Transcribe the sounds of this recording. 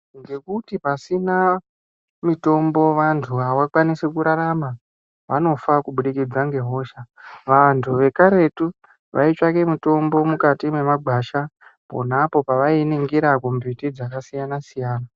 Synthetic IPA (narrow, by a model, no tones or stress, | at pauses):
ŋɡe̞kutipasina | mito̞mbo̞ʋantʰuawakwanisekuɾaɾama | ʋano̞fakuɓuɗikid͡zaŋɡe̞ɦo̞ːʃaʋantʰuʋe̞kaɾe̞tu | ʋʔait͡ʃakemito̞mbo̞mukatimwe̞maɡ͡bʱaʃapo̞̰napo̞paʋainiŋɡiɾakumbitid͡zakasijanasijaːna